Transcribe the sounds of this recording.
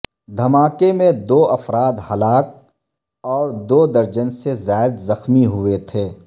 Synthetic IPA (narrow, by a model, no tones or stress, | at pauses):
d̪ʱɐmaːkemẽd̪oːʔɐfɾaːd̪hɐlaːk̚ | ɔːɾd̪oːd̪ɐɾd͡ʒənsezaːɪd̪zɐxmiɦʊet̪ʰeː